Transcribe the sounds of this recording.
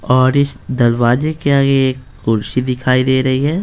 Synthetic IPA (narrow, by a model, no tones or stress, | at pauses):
ɔːɾɪsd̪ɐlwaːzekeaːɡeːkːʊɾʃid̪ɪkʰaːid̪eːɾɐɦiɦɛː